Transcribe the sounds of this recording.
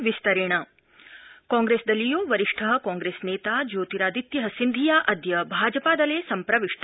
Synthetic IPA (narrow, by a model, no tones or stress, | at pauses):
ʋist̪ɐɾeːɳɐ | kaːŋɡɾeːsd̪ɐlːijuːʋɐɾiʂʈʰɐɦɐ̆kaːŋɡɾeːsneːt̪aːd͡ʒoːt̪iɾaːd̪it̪jɐɦɐsind̪ʱijaːʔɐd̪jɐbʱaːd͡ʒɐpaːd̪ɐleːsɐmpɾɐʋiʂt̪